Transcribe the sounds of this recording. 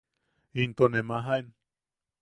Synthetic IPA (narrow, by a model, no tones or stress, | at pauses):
int̪onemaɦaen